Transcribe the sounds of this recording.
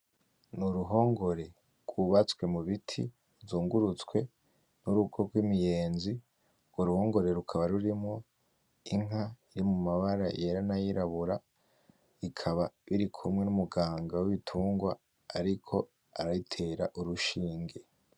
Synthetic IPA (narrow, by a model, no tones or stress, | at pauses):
nuɾuɦo̞ːŋɡo̞ɾe̞ | ɡ̥wuβat͡skwe̞muβitʰḭ | zuːŋɡuɾut͡skwe̞ | nuɾuɡo̞ɡwiːmije̞ːnzi | ɡoɾuho̞ːŋɡo̞ɾe̞ɾukʰaβaɾuɾimŋo̞ | iŋɦaiɾimumaβaɾaje̞ɾanajiɾaβuɾa | ikʰaβaβiɾikʰumŋe̞numuɡaːŋɡawiβitʰuːŋɡwa̰ː | ɾikʰo̞ | aɾaitʰe̞ːɾaʔuɾuʃiːŋɡe̞